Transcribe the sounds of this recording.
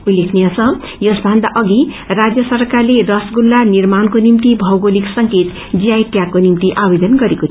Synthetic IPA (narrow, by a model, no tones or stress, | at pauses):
ulekʰneʌsʌ̃ | jʌsbʱand̪aʔʌɡi | rad͡zjʌsʌrkarlerʌsɡulːanirmankonimt̪ibʱʌwɡoliksʌŋket̪ | d͡zijajʈjakːonimt̪iʔabed̪ʌnɡʌɾekot͡sʰ